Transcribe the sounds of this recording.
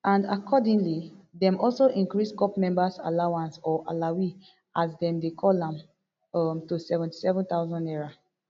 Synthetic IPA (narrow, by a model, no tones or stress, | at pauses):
ãnda̰kʰɔdĩnlidɛ̃mɔlsoʔĩŋkɹiskɔpmɛ̃mbasa̰lawãnsɔʔa̰lawi | asdɛ̃mdekʰɔlãm | ʌmtusɛvɛ̃nti̥sɛvɔ̃nt̪aʊzɔ̃ndɛɹa